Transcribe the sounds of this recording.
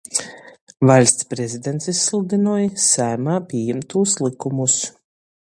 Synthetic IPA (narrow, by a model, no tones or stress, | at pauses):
valʲst̪spɾɛzʲid̪ʲɛnt̪sisːlˠd̪inɔːjsæːmaːpʲiɛjɛmt̪uːslˠikumus